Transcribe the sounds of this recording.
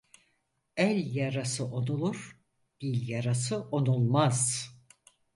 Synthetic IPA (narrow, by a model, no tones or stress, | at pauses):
ælʲjaɾasɯʔo̞nulˠuɾ̥ | b̥ilʲjaɾasɯʔo̞nulˠmaz̥